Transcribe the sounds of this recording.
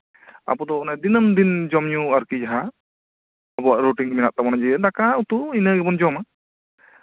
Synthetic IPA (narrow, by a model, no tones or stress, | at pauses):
a̰pɔd̪ɔɔnad̪inəmd̪ind͡ʒɔmɲuaɾkid͡ʒaɦa | abɔwaʔɾuʈiŋmɛnaʔ̚t̪amɔnad͡ʒɛd̪akaut̪uinəɡɛbɔnd͡ʒɔma